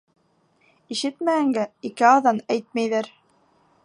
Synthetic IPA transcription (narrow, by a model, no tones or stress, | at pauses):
iʃɘt̪mææŋɡæikɘɑðɑnæjt̪̚mæjðæɾ